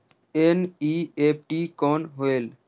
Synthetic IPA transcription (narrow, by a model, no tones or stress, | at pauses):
eːniːeːp̚ʰʈiːkoːnɦoeːl